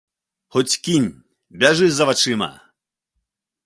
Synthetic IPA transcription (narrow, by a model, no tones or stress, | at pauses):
xɔt͡sʲkʲinʲ | bʲɛʐɨjʲzɐvat͡ʂɨmɐ̰